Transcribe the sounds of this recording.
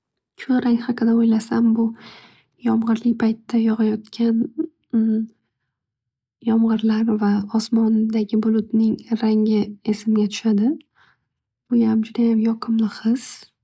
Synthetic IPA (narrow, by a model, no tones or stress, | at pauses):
kʰʊɾaŋhɑqɨd̪aojlasambʊ | jɒmʁɨɾlɪk̚ʲpʰajt̪ːajɒʁɑjɒt̪kʲʰan | jɒmʁɨɾlaɾɪvaɒsmɒnd̪aɡʲɪbʊlˠʊt̪nɪŋɾaŋɪe̞sɪmɡʲat̪ʰʊ̥ʃad̪ɪ | b̥ʊjamd͡ʒʊd̪ajamjɒqʰɨmlɪχɨz̥